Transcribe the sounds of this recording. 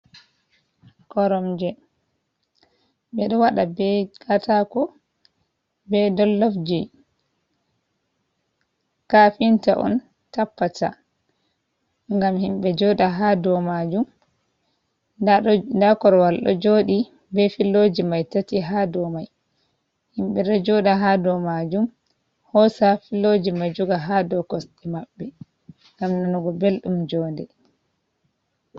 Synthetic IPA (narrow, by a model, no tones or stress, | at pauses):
kɔɾɔmd͡ʒɛ | bɛɗɔwaɗabɛkatʰakɔ | bɛdɔlːɔfd͡ʒi | kafinta̰ʔɔ̰n | tapːata̰ | ŋɡamhimbɛd͡ʒɔɗaɦadɔmad͡ʒum | ndakɔɾwalɗɔ̰d͡ʒoːɗi | bɛfilːod͡ʒimajtatiɦadɔmaj | himɓɛɗɔd͡ʒɔɗaɦadɔmad͡ʒum | hɔsafilːod͡ʒimad͡ʒuɡaɦadɔkɔsɗɛmaɓːɛ | ŋɡamnɔnɔɡɔbelɗumd͡ʒɔːndɛ